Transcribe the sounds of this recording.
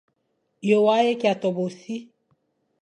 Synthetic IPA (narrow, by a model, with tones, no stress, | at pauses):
jo˨wa˦je˦ki˨a˨tɔ˨bo˨si˦